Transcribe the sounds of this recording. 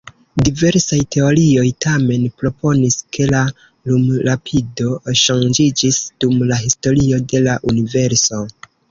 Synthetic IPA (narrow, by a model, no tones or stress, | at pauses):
dive̞ɾsajtʰe̞o̞ɾio̞jtʰame̞npɾo̞po̞niskʰe̞la | lumɾapʰido̞ʃaŋd͡ʒid͡ʒisd̥umlaɦisto̞ɾio̞de̞laʔunive̞ɾso̞